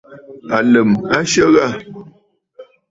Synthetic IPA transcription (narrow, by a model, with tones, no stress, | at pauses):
a˨lə˨ma˦ʃə˦ɣa˦˨